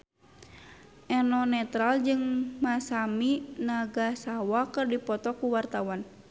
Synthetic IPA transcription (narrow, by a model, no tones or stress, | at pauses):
ʔɛnɔnɛt̪ɾald͡ʒɨŋmasaminaɡasawakɨrdipɔt̪ɔkuwart̪awan